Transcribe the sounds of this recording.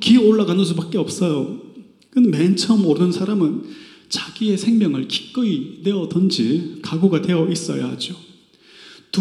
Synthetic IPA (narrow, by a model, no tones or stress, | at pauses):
kioɭːaɡanɯns̬ubak͈eʌp̚s͈ʌjo | kɯnment͡ɕʰʌmoɾɯnsʰaɾamɯn | t͡ɕaɡ̥ie̞sʰe̞ŋmjʌŋɯɭki̥k͈ɯine̞ʌdʌnd͡ʑikaɡoɡadwe̞ʌʔis͈ʌ̰ja̰had͡ʑo | t